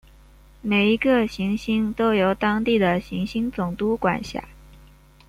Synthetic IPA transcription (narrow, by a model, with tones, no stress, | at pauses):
me˨˩ɪi˧˥ɡə˧ɕi˧˥ŋɕi˥ŋt̪o˥ʊjo˧˩ʊt̪ɑ˥ŋt̪i˥˩d̪ə˩ɕi˧˥ŋɕi˥ŋt͡sʊ˨˩ŋt̪u˥kwa̰˨˩nɕja̰˥˩